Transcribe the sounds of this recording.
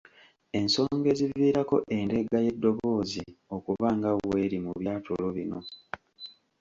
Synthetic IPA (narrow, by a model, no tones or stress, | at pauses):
e̞nso̞ːŋɡe̞ziviːɾako̞ʔe̞nde̞ɡaje̞dːo̞βo̞ːziokuvaːŋɡawe̞ɾimuβjaːtʰolo̞βino̞̰